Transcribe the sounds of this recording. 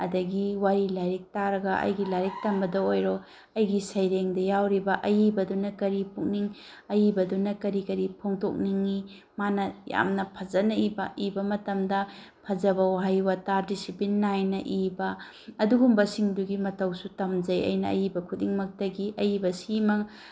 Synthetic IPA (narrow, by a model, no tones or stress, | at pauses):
ɐdɐɡiwaɾilaɾik̚taɾɐɡɐʔɐ̰jɡilajɾik̚tɐmbɐdɐojɾɔ | ɐjɡisɐjɾeŋdɐjawɾibɐʔɐjibɐdunɐkɐɾipuk̚niŋ | ɐjibɐdunɐkɐɾikɐɾipʰoŋto̰k̚niŋːi | manɐja̰mnɐpʰɐzɐnɐibɐibɐmɐtɐmdɐ | pʰɐzɐbɐwaɦajwɐtaɾdisipinːajnɐʔibɐ | ɐduɡumbɐsiŋduɡimɐtɐwsutɐmzɐjɐ̰jnɐɐ̰jibɐkʰudiŋmɐk̚tɐɡiʔɐjibɐsimɐ